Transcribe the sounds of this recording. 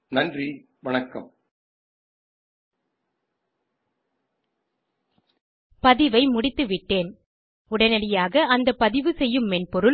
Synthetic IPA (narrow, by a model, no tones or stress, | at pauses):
nɐndri | ʋɐnɐkːɐ̰m | pɐðɪʋɐɪmʊɽɪt̪ːɯʋɪʈːeːn | ʊɽɐnɐɽɪjaːɣɐɐnd̪ɐpːɐðɪʋɯsɛjːɯmːɛnpɔɾɯ